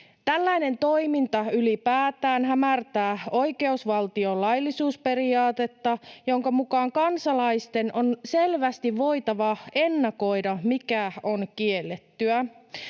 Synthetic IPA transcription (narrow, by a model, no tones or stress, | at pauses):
t̪ælːæjne̞nt̪o̞imint̪ɑylipæːt̪æːnɦæmært̪æːo̞jke̞usʋɑlt̪io̞lɑjlːisuːspe̞ɾiɑːt̪e̞t̪ːɑjo̞ŋkɑmukɑːŋkɑnsɑlɑjst̪e̞no̞nse̞lʋæst̪iʋːo̞it̪ɑʋɑe̞nːɑko̞jdɑmikæo̞nkie̞lːet̪ːyæ